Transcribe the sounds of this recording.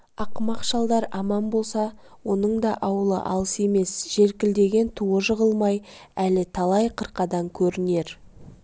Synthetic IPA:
ɑqmɑqʒɑlˠd̪ɑɾɑmɑnbo̞lˠsɑ | wo̞nəɴd̪ɑʔɑwəlˠə̰ʔɑ̰lˠəse̞me̞sʒ̥e̞ɾkʲɪld̪e̞ɡʲe̞nt̪ʰuəʒəʁəlˠmɑjælɪt̪ʰɑlˠɑjqʰəɾqɑd̪ɑŋkʲʰɵɾɪne̞ɾ

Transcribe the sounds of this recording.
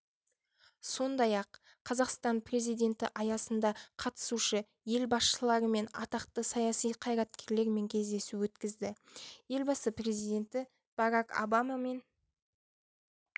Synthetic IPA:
so̞nd̪ɑjɑqːʰ | ɑzɑqst̪ɑnpre̞zijd̪e̞nt̪ɪ̰ʔɑjɑsənd̪ɑqʰɑt̪ə̥suʃə | je̞lbɑsʃəlˠɑɾəme̞nɑ̰t̪ɑqt̪əsɑjɑsijqʰɑjɾɑt̪kʲe̞ɾle̞ɾme̞ŋkʲʰe̞zd̪e̞suwɵt̪kʲɪzd̪ɪje̞lbɑsəpre̞zijd̪e̞nt̪ɪ | b̥ɑɾɑko̰bɑmame̞n

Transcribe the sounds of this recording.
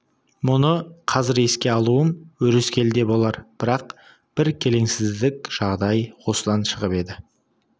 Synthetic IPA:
mʊnəqʰɑzɪɾe̞skʲe̞ɑlˠuəmwɵɾɪskʲʰe̞ld̪e̞bo̞lˠɑɾb̥ɪɾɑq | b̥ɪɾkʲʰe̞le̞ŋsɪzd̪ɪkʲʒ̥ɑʁd̪ɑjwo̞səd̪ɑnʃəʁəpe̞d̪ɪ

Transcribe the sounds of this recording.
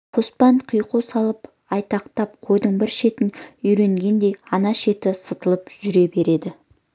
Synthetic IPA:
qʰo̞spɑɴqʰijqusɑlˠəp | ɑjt̪ɑqt̪ɑp̚qʰo̞jd̪əɴbɪɾʃe̞t̪ɪnʏjɾe̞ŋɡʲe̞nd̪e̞jɑnɑʃe̞t̪ɪsət̪əlˠəpʒʏɾe̞be̞ɾe̞d̪ɪ

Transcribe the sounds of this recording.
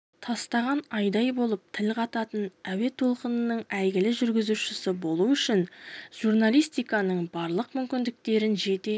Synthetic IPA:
t̪ʰɑst̪ɑʁɑnɑjd̪ɑjbo̞lˠəp̚t̪ʰɪlqʰɑt̪ɑt̪ənæwe̞t̪ʰo̞lˠqənənːəɴæjɡʲɪlɪʒʏɾɡʲɪzuʃɪsɪbo̞lˠuʏʃɪnʒ̥urnalˠijst̪ijkɑnəɴbɑɾlˠəqmʏmkʲɪnd̪ɪk̚t̪e̞ɾɪnʒe̞t̪e̞

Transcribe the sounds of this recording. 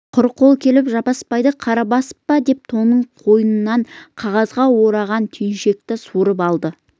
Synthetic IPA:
qʰʊɾqʰo̞lˠkʲʰe̞lɪpʒɑpɑspɑjd̪əqʰɑɾɑbɑsə̥p̚ːɑd̪e̞p̚t̪ʰo̞nəɴqʰo̞jənənːɑɴqʰɑʁɑzʁɑwo̞ɾɑʁɑnt̪ʰʏjnʃe̞k̚t̪ɪsuɾəpɑlˠd̪ə

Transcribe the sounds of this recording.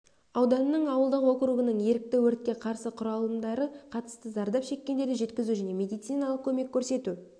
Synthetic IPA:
ɑwd̪ɑnəːəɴɑwəlˠd̪əqwo̞qɾuʁənəɴje̞ɾɪk̚t̪ɪwɵɾt̪̚kʲe̞qʰɑɾsəqʰʊɾɑlˠənd̪ɑɾəqʰɑt̪ə̥st̪əzɑɾd̪ɑpʃe̞kʲːe̞nd̪e̞ɾd̪ɪʒe̞t̪kʲɪzuʒæne̞me̞d̪ijt̪sijnɑlˠəq̚kʲʰɵme̞kʲːʰɵɾse̞t̪u

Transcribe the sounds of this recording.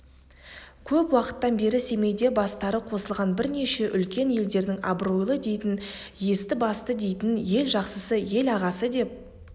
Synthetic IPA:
kʲʰɵpwɑqə̥t̪ːɑnbe̞ɾɪse̞me̞jd̪e̞bɑst̪ɑɾəqʰo̞səlˠʁɑnbɪɾne̞ʃe̞ʔʏlkʲe̞nje̞ld̪e̞ɾd̪ɪŋɑbɾojlˠəd̪e̞jt̪ɪn | je̞st̪ɪbɑst̪əd̪e̞jt̪ɪnje̞lʒɑqsəsəje̞lɑʁɑsəd̪e̞p̚

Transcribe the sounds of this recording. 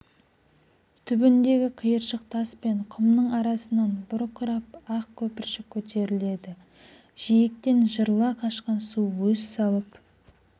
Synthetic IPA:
t̪ʰʏbɪnd̪e̞ɡʲɪqʰəjəɾʃəq̚t̪ʰɑspe̞ɴqʰʊmnəɴɑɾɑsənɑnbʊɾqʰʊɾɑpɑq̚kʲʰɵpɪɾʃɪkʲʰɵt̪ʰe̞ɾɪle̞d̪ɪ | ʒ̥ijɪk̚t̪e̞nʒəɾlˠɑqʰɑʃqɑnsuwwɵzsɑlˠəp

